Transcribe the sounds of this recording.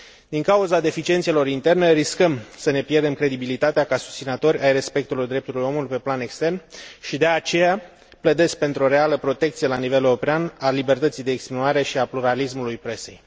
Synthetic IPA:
d̪iŋkauzad̪e̞fit͡ʃie̞nt̪selo̞ɾint̪e̞rne̞ɾiskəmsəne̞pjerd̪e̞mkɾe̞d̪ibilit̪at̪eakasu̥st̪inət̪o̞ɾʲajre̞spe̞k̚t̪ulojd̪ɾe̞p̚t̪ulujo̞mulujpe̞plane̞kst̪e̞rnʃid̪e̞at͡ʃe̞ja | pləd̪e̞sk̚pe̞nt̪ɾo̞ɾe̞aləpɾo̞t̪e̞k̚t̪sie̞laniveleɾo̞peanalibe̞rt̪ət̪sijd̪e̞ːkspinuaɾe̞ʃiapluɾalismulujpɾe̞se̞̰j

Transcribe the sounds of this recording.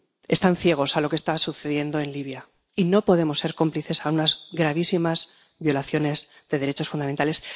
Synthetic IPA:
e̞st̪anθje̞ɣ̞o̞salo̞ke̞st̪asuθeðje̞nd̪o̞e̞nliβ̞ja | ino̞po̞ðe̞mo̞sːeɾko̞mpliθe̞saunazɡɾaβ̞isimaz | βjo̞laθjo̞ne̞z | ðe̞ðe̞ɾe̞t͡ʃo̞sfund̪ament̪ale̞s

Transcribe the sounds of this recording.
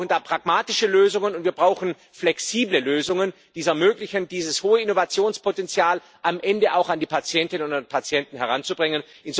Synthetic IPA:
ndaːpʁ̥aɡmaːtɪʃəløːzʊŋənʊntv̥iːɐbʁaʊxn̩ | flɛksiːbləløːzʊŋən | d̥iːzɛɐmøːklɪçənd̥iːzəshoːəɪnovat͡sjoːnspʰotɛnt͡sjaːl | ʔamʔɛndəʔaʊxandiːpʰat͡sjɛntɪnənʊnapʰat͡sjɛntn̩ɦɛʁ̞ant͡subʁɪŋən | ʔɪnz

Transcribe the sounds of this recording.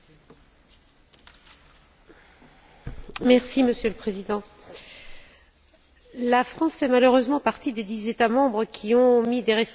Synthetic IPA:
mɛʁsiməsjøləpχezid̪ɑ̃ | lafχɑ̃sfɛmaløʁøzmɑ̃paʁt̪id̪ed̪izet̪amɑ̃bʁəkʲʰiɔ̃mid̪eʁɛs

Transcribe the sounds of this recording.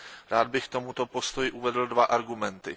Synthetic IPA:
ɾaːd̪̚bɪxkt̪o̞mut̪o̞po̞st̪o̞jɪʔuvɛdl̩dvaʔaɾɡumɛnt̪ɪ

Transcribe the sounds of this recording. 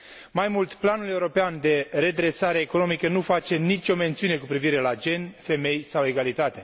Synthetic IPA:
majmult̪planule̞wɾo̞peand̪e̞ɾe̞d̪ɾe̞saɾeːkono̞mikənufat͡ʃe̞nit͡ʃʲo̞me̞nt̪siune̞kupɾiviɾe̞lad͡ʒe̞nfe̞me̞jsawe̞ɡalit̪at̪e

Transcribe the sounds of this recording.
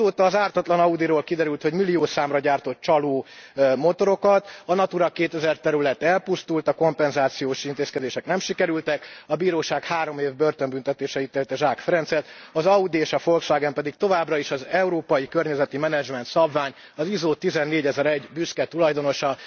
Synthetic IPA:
oːt̪ɒːzaːrt̪ɒt̪lɒnɒud̪iɾoːlkid̪ɛɾylt̪ho̞ɟmilːioːsaːmrɒɟaːrt̪o̞t̪̚t͡ʃɒloːmo̞t̪o̞ɾo̞kɒt̪ɒnɒt̪uɾɒkeːt̪ɛzɛrt̪ɛɾylɛt̪ɛlpust̪ult̪ɒko̞mpɛnzaːt̪sijoːʃint̪eːskɛd̪eːʃɛknɛmʃikɛɾylt̪ɛkɒbiːɾoːʃaːkhaːɾo̞meːvbø̞rt̪ømbynt̪ɛt̪eːʃɛit̪ːeːlt̪ɛʒaːkfɛɾɛnt̪sɛt̪ɒzɒud̪ieːʃɒfo̞lkʃaːɡɛmpɛd̪ik̚t̪o̞vaːbrɒiʃɒzɛuɾoːpɒjikørɲɛzɛt̪imɛnɛd͡ʒmɛnt̪sɒbvaːɲ | ɒzizoːt̪ːizɛnːeːɟɛzɛɾɛɟbyskɛt̪ulɒjd̪o̞no̞ʃɒ

